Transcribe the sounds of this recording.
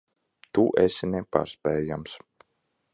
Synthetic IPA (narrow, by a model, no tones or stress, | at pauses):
t̪uʔɛsʲinɛpa̰ːɾspɛːjams